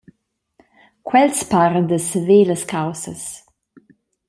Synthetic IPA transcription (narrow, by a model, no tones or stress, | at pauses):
kwɛlspaːɾənd̪əsəveːləskawsə̰s